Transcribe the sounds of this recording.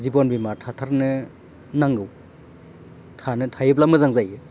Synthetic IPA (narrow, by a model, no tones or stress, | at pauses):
zibɔnbimatʰatʰaɾnɯ | naŋɡɯw | tʰanɯtʰajɯp̬̚lamɯzaŋzajɯ